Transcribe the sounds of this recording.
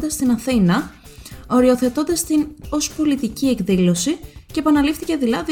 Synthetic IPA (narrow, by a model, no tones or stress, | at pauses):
nd̪ɐst̪inɐθinɐ | o̞ɾio̞θe̞t̪o̞nd̪ɐst̪ino̞spo̞lit̪icie̞kðilo̞sice̞ːpɐnɐlifθice̞ðilɐði